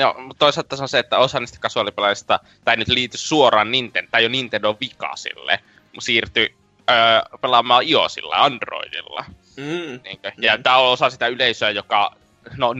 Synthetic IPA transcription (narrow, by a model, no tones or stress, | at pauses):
no̰mut̪t̪oˑiselt̪t̪ːɑsonseet̪ːæosɑniːst̪æ̥kɑsuɑlipelɑjist̪ɑ | t̪ɑˑinyt̪liːt̪yssuorˑɑːnnint̪ent̪ɑˑijonint̪endoʋʋikɑ̰sḭlːḛ | msiːrt̪y | əːpelɑmˑɑːio̰sḭlːɑ̰ɑnd̥ro̰idḭlːɑ̰ | niːŋkøjɑt̪æːoosɑsit̪æyleˑisøæjokɑ | no